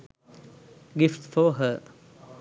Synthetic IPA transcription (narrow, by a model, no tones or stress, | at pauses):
ɡɪftfɔɦə